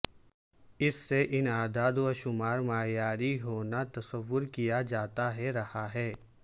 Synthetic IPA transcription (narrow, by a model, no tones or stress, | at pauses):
ɪsːeʔɪnaːd̪aːd̪ʋaʃʊmaːɾmaːjaːɾiɦoːnat̪ɐsəʋːʊɾkijad͡ʒaːt̪aɦɛɾɐhaɦɛː